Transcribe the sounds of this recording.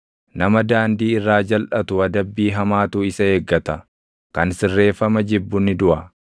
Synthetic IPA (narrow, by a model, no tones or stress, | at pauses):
nɐmɐd̪aːnd̪iːɪrːaːd͡ʒɐlʔɐt̪ʊɐd̪ɐbːiːɦɐmaːt̪uːɪsɐeːɡːɐt̪ɐ | kɐnsɪrːe̞ːfːɐmɐd͡ʒɪbːʊnːɪd̪ʊʔɐ